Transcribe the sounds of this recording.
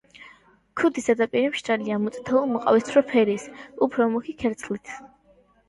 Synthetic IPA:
kʰud̪isad̪apʼiɾɛmʃt̪ʼaliamut̪sʼt̪ʰɛulˠmɔqʼa̰wist̪ʰɾɔpʰɛɾisupʰɾɔmukʰikʰɛɾt̪sʰlit̪ʰ

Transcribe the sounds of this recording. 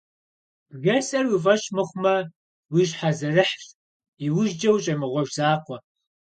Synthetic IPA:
b̥ɣɐsʼɐrwifɐʃmɨχʷmɐ | wiːɕħazɐrɨħɕ | iwʊʒd͡ʒɐwɕʼɐmɨʁʷɔʒz̥aːqʷɔ

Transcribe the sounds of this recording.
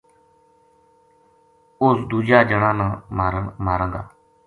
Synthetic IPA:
oːsd̪uːd͡ʒaːd͡ʒəɽãːnãːmaːɾəmaːɾə̃ːŋɡ̪a̰ː

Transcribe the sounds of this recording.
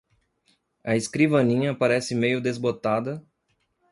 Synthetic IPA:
ɐeskɾivɐnĩɲɐpaɾɛsɪmejʊd̪ezbot̪ad̪ɐ

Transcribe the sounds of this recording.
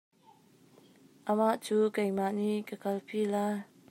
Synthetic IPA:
ʔamaʔt͡ʃukajmaʔnikəkalpila

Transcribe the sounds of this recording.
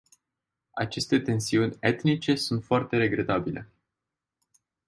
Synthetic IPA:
at͡ʃe̞st̪e̞t̪e̞nsiunʲe̞t̪nit͡ʃe̞sunt̪foart̪e̞ɾe̞ɡɾe̞t̪abile̞̰

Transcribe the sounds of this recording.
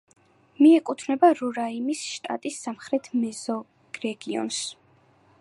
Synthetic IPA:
miɛkʼut̪ʰnɛbaɾuɾaimisʃt̪ʼa̰t̪ʼisːamχɾɛt̪ʰmɛzɔ | ɾɛɡiɔ̰ns

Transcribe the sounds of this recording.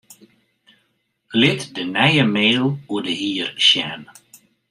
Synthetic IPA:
lɪtdənɛjəmeːlˠuədəɦiːrʃjɛn

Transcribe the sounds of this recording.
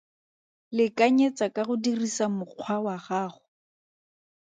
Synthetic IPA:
lɪkaɲet͡sakaɣʊdirisamʊq͡χʰwawaχaːχʊ

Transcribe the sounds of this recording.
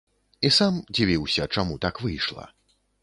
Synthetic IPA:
isamd͡zʲivʲiwsʲɐt͡ʂamut̪akvɨjʂlˠɐ̰

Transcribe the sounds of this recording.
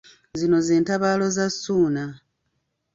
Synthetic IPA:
zino̞zeːntaβaːlo̞zasːuːna

